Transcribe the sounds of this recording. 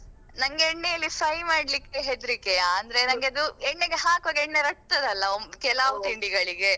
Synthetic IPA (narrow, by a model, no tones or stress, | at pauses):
nɐŋɡeeɳːejɐlːifɐjmaːɽlikːeɦed̪ɾikːejaːnd̪ɐɾe̞nɐŋɡeɐd̪uɛɳːeɡeɦaːkɐɡeɳːeɾɐk̚t̪ɐd̪ɐlːɐomkɛlaːʋut̪iɳɖiɡɐɭiɡe̞